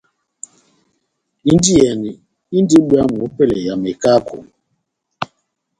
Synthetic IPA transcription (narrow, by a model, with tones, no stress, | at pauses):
i˦n˦di˦ɛ˨ni˨ | i˦n˦di˦ɓwa˦mu˨o˦pɛ˦lɛ˨ja˨me˨ka˦kʰo̰˨